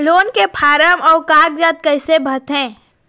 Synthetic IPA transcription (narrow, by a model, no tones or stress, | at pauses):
loːnkepʰaːɾəmɔːɾkaːɡ̚d͡ʒaːt̪̚kəɪsebʱət̪ɦɛ̃ː